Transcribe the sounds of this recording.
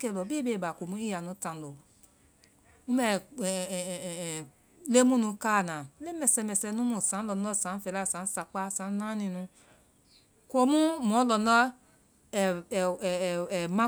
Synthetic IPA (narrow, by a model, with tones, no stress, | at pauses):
kɛ˦˨lɔ˨bi˦be˦˨ba˨ko˨mũ˦i˦ja˨nũ˨˧˦tã˧n˨lo˨ | ũ˦mɛ˦˨˦ | le˦mũ˦nũ˧˦ka˦˨nã˨˦le˦mɛ˧˨sɛ˧mɛ˨˧sɛ˧nũ˦mũ˦˨sã˨˦lɔ˧n˦ɔ˦˨sã˨˦fɛ˧˨la˦˨sã˨˦sa˧k͡pa˦˨sã˨˦n˦nã˦nĩ˧nũ˧ | ko˧mũ˦mɔ̃˨˦lɔ˧nɔ˦˨ | mã˦